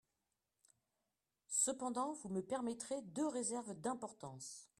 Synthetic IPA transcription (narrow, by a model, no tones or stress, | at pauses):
səpɑ̃d̪ɑ̃vuməpɛʁmɛt̪χed̪øʁezɛʁvd̪ɛ̃pɔʁt̪ɑ̃s